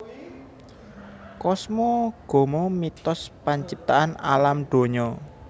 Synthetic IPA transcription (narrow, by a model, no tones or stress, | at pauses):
kɔsmɔɡ̥o̤mɔmit̪ɔspaɲt͡ʃip̚t̪aʔana̰lamɖ̪̥o̤ɲɔ